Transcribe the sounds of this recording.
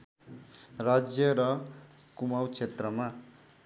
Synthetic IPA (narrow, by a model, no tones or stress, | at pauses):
rad͡zjʌɾʌ | kumawt͡ʃʰet̪rʌma